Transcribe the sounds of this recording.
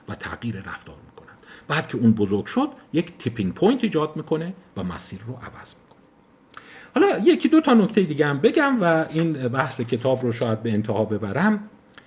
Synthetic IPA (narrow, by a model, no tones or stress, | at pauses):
væt̪ʰæ̰ɣjiːɾeɾæ̰ft̪ɒ̰ːɾmiːkʰo̞nænd̪̥b̥æːd̪̥̚cʰe̞uːnbozoɾɡʃo̞d̪̥je̞cʰt̪ʰipʰiŋɡ̚pʰojnt̪ʰiːd͡ʒɒːd̪̚miːkʰo̞ne̞væmæ̰siːɾːoʔæ̰væ̰z̥mi̥kʰone | hɒːlɒːjecʰid̪o̞t̪ʰɒːno̞ct̪ejid̪iːɟehæmbe̞ɟæmvæinbæhse̞cʰe̞t̪ʰɒːbɾoʃɒːjæd̪̚be̞ent̪ʰehɒːbe̞bæɾæm